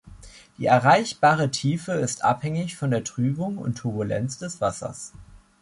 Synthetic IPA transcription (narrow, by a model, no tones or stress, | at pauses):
d̥iːɛɐʁaɪçb̥aːʁətʰiːfəɪstʔa̰phɛŋɪçfɔndeːɐtʁ̥yːbʊŋʊ̰ntʰːʊɐbulɛ̰nsd̥ɛsv̥asɐ̰s